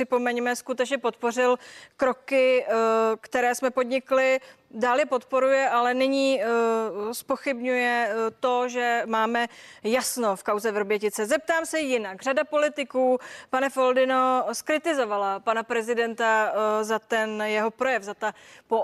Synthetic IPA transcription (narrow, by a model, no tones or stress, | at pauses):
ɪpo̞mɛɲmɛskut̪ɛt͡ʃɲɛpo̞t̪̚po̞rɪlkɾo̞kɪ | kt̪ɛɾɛːsmɛpo̞dɲɪklɪ | daːljɛpo̞t̪po̞ɾujɛʔalɛnɪɲiː | spoxɪbɲujɛt̪o̞ʒɛmaːmɛjasno̞fkawzɛvɾobjɛcɪt͡sɛzɛp̚t̪aːmsɛjɪnakr̝adapo̞lɪt̪ɪkuːpanɛfo̞ldɪno̞skɾɪt̪ɪzo̞valapanapɾɛzɪdɛnt̪azat̪ɛnjɛɦo̞pɾo̞jɛvzat̪apo